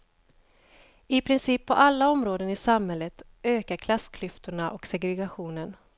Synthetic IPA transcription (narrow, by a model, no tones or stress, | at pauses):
ɪpʰɾɪnsiːpʰːɔʔalːaɔmɾoːd̪ənɪsamhɛlːət̪ | øːkaɾkʰlasːkʰlʏft̪ʊɳaʔɔksɛɡɾɛɡaɧuːnən